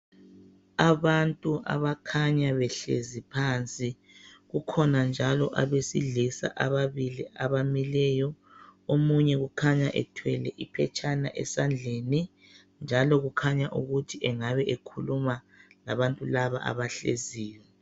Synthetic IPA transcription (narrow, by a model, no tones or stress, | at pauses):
aβantʼuʔa̰βakʰaɲaβɛɬḛzipʰant͡sʼi | ɣukʰɔnand͡ʒʱalɔʔaβesḭɮisa̰ʔaβaβiliʔaβamilɛjɔ | omuɲɛɣukʰaɲaʔɛtʰwɛlɛʔipʰɛt͡ʃʼana̰ʔɛ̰sand͡ɮʱeni | nd͡ʒʱalɔɣukʰaɲaʔuɣutʰiʔɛŋaβɛʔekʰuluma | laβantʼulaβa̰ʔa̰βaɬḛziːwɛ